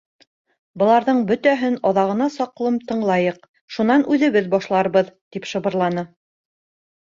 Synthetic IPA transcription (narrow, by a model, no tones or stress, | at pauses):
bɤ̆lˠɑɾðɤɴbɵ̆t̪æɦɘnɒðɑʁɤ̆nɑsɒqlˠɤmt̪ɤ̆ɴlˠɑjɤq̚ | ʃunɑnʉðɘ̆βɘðbɒʃlˠɑɾβɤðt̪ipʃɤ̆βɤ̆ɾlˠɑnɤ